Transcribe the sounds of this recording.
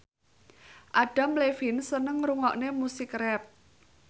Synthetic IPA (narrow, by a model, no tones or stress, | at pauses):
ʔaɖ̥a̤mlefinsənəŋruŋɔʔnemusɪkrɛp̚